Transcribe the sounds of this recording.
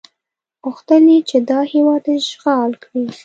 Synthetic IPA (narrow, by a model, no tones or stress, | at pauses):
ʊxt̪əlit͡ʃed̪ɑhiwɑd̪ʒɣɑlkɽi